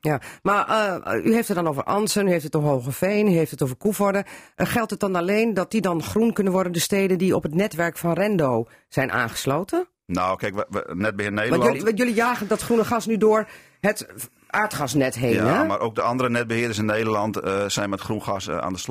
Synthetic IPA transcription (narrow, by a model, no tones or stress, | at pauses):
jamayɦeftətdɔnoːvəɹʔɑnsənyɦeːftətoɦoːχəfeːnyɦeftətoːvəɹkufɔɹdəəxɛlˠtət̚dɔnaleːndɔt̚didɔnχrunkønənʋɔɹdəndəːsteːdəndiɔpətnɛtʋɛɹkfɔnrɛndoː | sɛjnʔa̰ːnχə̥sloːtʰə | nowkɛjkʋ̰nɛt̚bəɪneːjlijølijaːɣəndɔtχrunəχɑsnydʊəɹ | hət | ʔaːɹtχɑsnɛtɦeːnɛmarʔoːk̚dəɑndəɾənɛt̚bəhɪədəsɪneːdərlɑntsɛjnmɛtχrunɑsa̰ndəs